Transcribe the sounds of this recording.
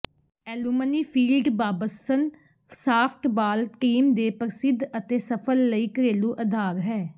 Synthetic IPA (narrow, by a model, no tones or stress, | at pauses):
ɛːluːməniːpʰiːlɖbaːbəsən | saːpʰʈbaːlʈiːmd̪eːpəɾsɪd̪ət̪eːsəpʰəlːəiːkəɾeːluːʔəd̪ʱaːɾɦɛː